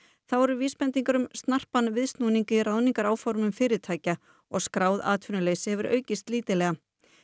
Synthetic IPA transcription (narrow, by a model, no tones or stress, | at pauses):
θawvɔɾʏɾviːspɛnt̪iŋkaɾʏmst̪nar̥panvɪðst̪nuːniŋkɪiraːwniŋkaɾaːwfɔɾmʏmfɪːɾɪɾ̥t̪ʰaːjca | ɔɣskɾaːwða̰ːt̪ʰfʏnʏleːjsɪhɛvʏɾʔœ̰ːɥcɪst̪liːt̪ɪlɛɣa